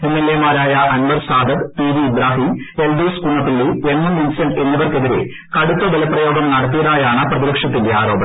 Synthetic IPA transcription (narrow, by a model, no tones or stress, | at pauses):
imːɐlemaːɾaːjɐʔɐnbɐrsaːd̪ɐkpiːdiːb̪ɾaːɦimelduːskuɳːɐt̪ːilːeenːuminsɐɳɖe̞nːɐʋɐrke̞ðiɾe̞̰ | kɐɽut̪ːɐd̪ɐlɐpːrɐjo̞ːɡɐmnɐɽɐt̪̬ːijɐðaːjaːɳɨprɐðibɐkʂjɐt̪̬ːinde̞aːɾo̞ːbɐɳɐ